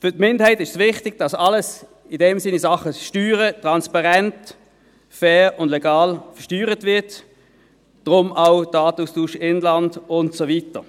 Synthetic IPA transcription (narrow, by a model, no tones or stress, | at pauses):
fʏɐtmɪndəhɛɪtɪʃsvɪχtɪɡ̥̚d̥ɑsɑləs | idɛmsɪnisɑχəʃtyːʁətʁɑnspɑʁɛnt | fɛːʁʊndlɛɡaɑːlfɐʃtyːʁətvɪɐt | d̥ʁʊmaʊdɑːtuːstuːʃɪnlɑndʊntsovitə